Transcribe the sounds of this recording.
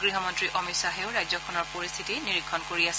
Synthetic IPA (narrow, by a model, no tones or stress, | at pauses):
ɡɹiɦɔmɔntɹiʔɔmisaɦɛʊɹajzɔkʰɔnɔɹpoɹist̪ʰitiniɹikʰːɔnkoɹias